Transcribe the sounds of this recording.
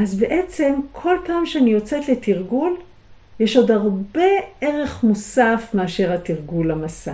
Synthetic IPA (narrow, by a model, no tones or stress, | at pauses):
azbe̞ʔe̞t͡se̞mkʰo̞lpaːmʃeanijo̞t͡se̞t̪le̞t̪iʁɡul | jeʃo̞dhaʁbe̞e̞ʁe̞χmosafmeaʃe̞ʁhatiʁɡulamasa